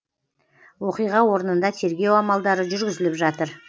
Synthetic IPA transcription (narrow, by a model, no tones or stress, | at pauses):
wo̞qijʁɑwo̞ɾənənd̪ɑt̪ʰe̞ɾɡʲe̞wɑmɑlˠd̪ɑɾəʒʏɾɡʲɪzɪlɪpʒɑt̪əɾ